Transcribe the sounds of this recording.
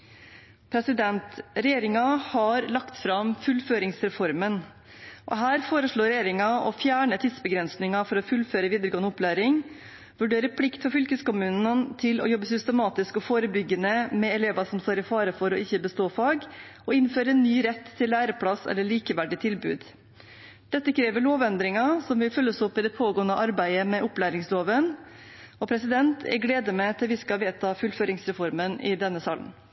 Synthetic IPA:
pʰɾɛsɪd̪ɛnt̪ɾɛjeːɾɪŋɑhɑɾlɑkt̪fɾɑmfʉlːføːɾɪŋsɾɛfɔɾmən | ʔɔ̰ɦæːɾfoːɾəʂɭoːɾɛjeːɾɪŋɑɔ̰fjæːɳət̪ʰiːd̪sbəɡɾɛnsnɪŋɑfɔɾɔfʉlføːɾəʋiːd̪əɾɡoːənəʊplæːɾɪŋ | ʋʉɖeːɾəpʰlɪkt̪fɔɾfʏlkəskʊmʉːnnənt̪ʰɪlɔ̰jɔbːəsʏst̪əmɑːt̪ɪskɔfoːɾəbʏɡːənəmɛɛleːʋɑsɔmst̪oːɾɪfɑːɾəfɔɾɔɪçːəbəst̪oːfɑːɡ | ɔɪnføːɾəɛnːyːɾɛt̪ʰːɪlːæːɾəpʰɽɑsɛ̰lːəɭiːkəʋæɖɪt̪ʰɪlbʉ̰ːd̪ | d̪̥ɛt̪ːəkʰɾeːʋəɭoːʋɛnd̪ɾɪŋɑsɔmʋɪlfœlːəɔsɔpːɪd̪ɛpʰoːɡoːənəʔɑɾbæɪəmɛʔʊplæːɾɪŋsloːʋən | ɔpʰɾɛsɪd̪ɛnt̪ʰɛ̰ɡleːd̪əmɛt̪ʰɪlʋɪskɑʋeːt̪ʰɑːfʉlføːɾɪŋsɾɛfɔɾmənɪ̰d̪ɛnːəsɑːlə̰n

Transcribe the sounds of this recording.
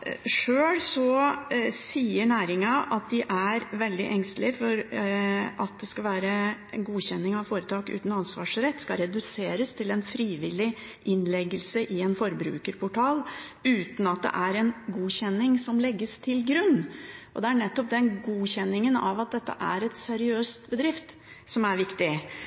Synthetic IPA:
ʂøːlsɔ | siːəɳæːɾɪŋɑʔɑt̪̚d̪ɪʔæɾʋɛld̪ɪ̰ʔɛŋst̪lɪfɔɾ | ɑt̪̚d̪ɛskɑlʋæːɾəɛnɡuːɕɛnːɪŋɑʋfoːɾət̪ʰɑːkʉ̰ːt̪n̩ɑnsʋɑ̰ːʂɾɛt̪ːskɑɾɛd̪ʉseːɾəst̪ʰɪlɛnfɾiːʋɪlɪ | ʔɪnlɛɡəlsəʔɪɛnfɔɾbɾʉ̰ːkəɾpʰʊʈʰɑːlʉːt̪n̩ɑt̪̚d̪ɛ̰ʔæɾɛnɡuːɕɛnːɪŋsɔmlɛɡːəst̪ʰɪlɡɾʉnːʔɔ̰d̪ɛæɳɛt̪ːɔp̚d̪ɛnɡuːɕɛnːɪŋənɑʋɑt̪̚d̪ɛt̪ːə̰ʔæ̰ɾɛt̪sæɾɪøːst̪bəd̪ɾɪft̪ | sɔmæɾʋɪkt̪ɪ

